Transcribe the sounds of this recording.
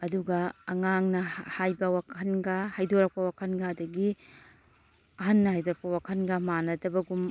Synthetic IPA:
ɐduɡɐːŋaŋnɐhajbɐwakʰɐnɡɐhajdoɾɐk̚pɐwakʰɐnɡadɐɡi | ɐɦɐnːɐhajdoɾɐkpɐwakʰɐnɡɐmanɐdɐbɐɡum

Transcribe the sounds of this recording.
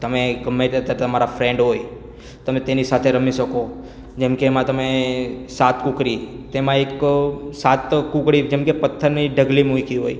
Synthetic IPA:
t̪əmeɡəmːet̪ət̪jaɾt̪əmaɾafɾẽɳɖɦoj | t̪əmẽt̪enisat̪ʰeɾəmiʃəko | d͡ʒemkeːmãt̪əmesat̪kukɾit̪emãeksat̪kukɽid͡ʒemkepət̪ʰːəɾniɖʱəɡlimũikʰiɦoj

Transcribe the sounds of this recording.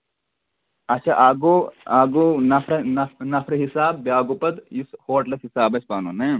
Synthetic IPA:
ɐtːʃʰa̰ːʔaːɡoaːɡuːnɐfʰɾnɐnɐfʰɾɦisaːbːjaːɡupɐt̪ishoːʈlɐsɦisaːbɐspaːno̰neː

